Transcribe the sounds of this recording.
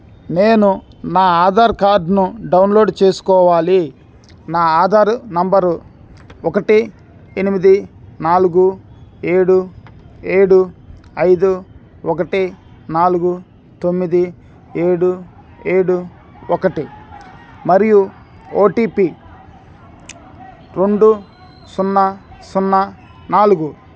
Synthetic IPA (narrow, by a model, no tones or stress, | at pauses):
neːnunaːaːd̪ʱaːɾkaːɖnuɖɐwnlo̞ːɖt͡ʃeːsu̥kɔːʋaːli | naːaːd̪ʱaːɾunɐmbɐɾu | ɔkɐʈi | enimid̪inaːluɡue̞ːɽu | e̞ːɽuɐjd̪u | ɔkɐʈi | naːluɡu | t̪omːid̪i | e̞ːɽu | eːɽu | ɔkɐʈi | mɐɾiju | oːʈiːpi | ɾe̞ɳɖu | sunːɐsunːɐ | naːluɡu